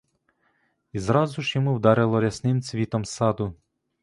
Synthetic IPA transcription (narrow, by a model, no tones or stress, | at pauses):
izɾɑzuʒjɔmuwd̪ɑɾɪlˠɔɾʲɐsnɪmt͡sʲʋʲit̪ɔmsɑd̪ʊ